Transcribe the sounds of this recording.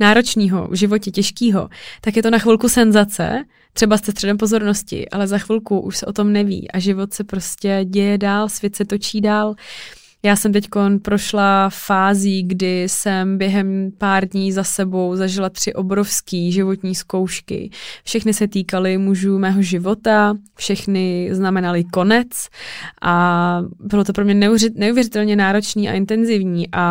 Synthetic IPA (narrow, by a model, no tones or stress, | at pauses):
naːɾo̞t͡ʃɲiːɦo̞̰vʒɪvo̞cɛcɛʃkiːɦo̞̰t̪akjɛt̪onaxvɪlkusɛnzat͡sɛ̰ | t̪r̥ɛbast̪ɛst̪r̥ɛdɛmpo̞zo̞ɾnoscɪ̰ʔa̰lɛzaxvɪlkuʔṵʃsɛʔo̞t̪o̞mnɛvḭːʔaʒɪvo̞t̪sɛpɾoscɛɟɛjɛdaːlsvjɛt̪sɛt̪o̞t͡ʃiːdaːl | jaːsɛmt̪ɛcko̞npɾo̞ʃlafaːziːɡdɪsɛmbjɛɦɛmpaːɾdɲiːzasɛbo̞wzaʒɪlat̪r̝̥ɪʔo̞bɾofskiːʒɪvo̞t̪ɲiːsko̞wʃkɪ̰fʃɛxnɪsɛt̪iːkalɪmuʒuːmɛːɦo̞ʒɪvo̞t̪afʃɛxnɪznamɛnalɪko̞nɛt͡sʔabɪlot̪o̞pɾo̞mɲɛnnɛuvjɛɾɪt̪ɛlɲɛnaːɾo̞t͡ʃniːʔa̰ʔɪnt̪ɛnzɪvɲiːʔa